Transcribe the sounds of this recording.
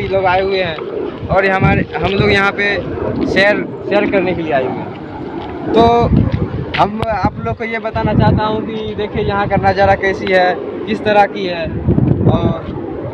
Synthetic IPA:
iloːɡaːeɦʊeɦɛ̃ɔːɾɦəmaɾeɦəmloːɡjɐɦãpeʃeːəɾ | ʃɛːəɾkəɾnekelieaːeɦʊeɦɛɛ | t̪oː | ɦəmaːploːɡ̚kojebət̪anat͡ʃaːɦt̪aɦũkid̪eːkʰiejɐɦãkɐɾnad͡ʒaːɾakɛːsiɦɛkɪst̪əɾəkiɦɛːɔːɾ

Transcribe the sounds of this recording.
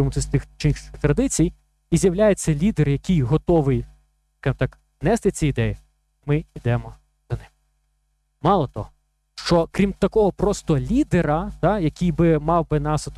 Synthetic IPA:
ɪmʊt̪ɛsʲt̪ɪxt͡ʃinɪxt̪ɾɐd̪ɪt͡sʲij | izʲjɐwlʲajɛt͡sʲːɐlʲid̪erjɐkʲijɦɔt̪ɔʋɪj | skɑʒɨmt̪ɑk | nɛst̪ɪt͡sʲiid̪ɛji | mɪid̪ɛmɔ | zɐnɪm | mɑlˠɔt̪ɔ̰ɔ | ʃt͡ʃɔkɾʲimt̪ɐkɔɦɔpɾɔst̪ɔlʲid̪eɾɐt̪ɑjɐkʲijbɪmɑwbɪnɑsɐt̪

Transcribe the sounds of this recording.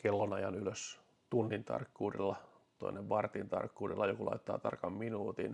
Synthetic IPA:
kelːonɑjɑnyløs | t̪unːint̪ɑ̰rkːuːrḭlːɑ | t̪o̰inːeʋʋɑrt̪int̪ɑ̰rkːuːrilːɑjokulʔɑ̰it̪ːɑ̰ːt̪ɑrkɑmminuːt̪ḭn

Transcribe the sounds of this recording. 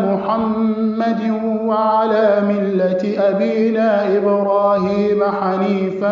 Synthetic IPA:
mʊħamːad̪ɪ | waʕalaːmɪlːat̪ɪʔabiːnaːʔɪbɾaːhiːmaħaniːfa

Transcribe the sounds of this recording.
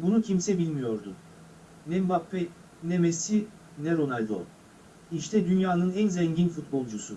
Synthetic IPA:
bunucʰimsɛbilʲmijo̞ɾd̪ʊ | nɛmbapːɛ | nemesi | nɛɾo̞nalʲd̪o̰ | iʃt̪ʰɛd̪ynjaːnɯnɛnzɛɲɟinfut̪̚bo̞lˠd͡ʒusu

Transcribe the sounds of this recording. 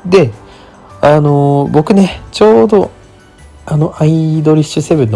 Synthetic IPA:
d̪e̞ | ano̞bo̞kɯ̟ne̞t͡ɕo̞ːd̪o̞ | ano̞ʔaid̪o̞ɾʲiɕɨse̞βɯ̟nː

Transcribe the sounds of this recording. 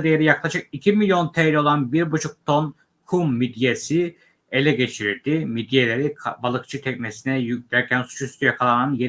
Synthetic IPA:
d̪ejeɾijaklˠaʃɯkicʰimilʲjo̞nt̪ʰeɾɛo̞lˠanbiɾbut͡ʃʰuk̚t̪ʰo̞n | kʰumːid̪jesi | elʲɛɟe̞t͡ʃʰiɾiɾd̪imid̪ijelʲeɾibalˠɯk̚t͡ʃʰɯt̪ʰɛcnesinɛjyd̪æɾcʰænsu̥t͡ʃʰyst̪ʰyjɛkʰalˠananje

